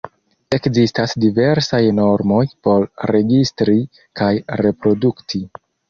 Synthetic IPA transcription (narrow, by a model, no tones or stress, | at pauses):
e̞kzistasdive̞ɾsajno̞ɾmo̞jpo̞ɾɾe̞ɡistɾi | kajɾe̞pɾo̞duktʰi